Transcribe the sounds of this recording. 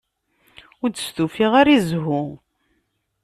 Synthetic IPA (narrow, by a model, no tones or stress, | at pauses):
ʊɾd̪ə̥st̪ufiʁaɾizɦʊ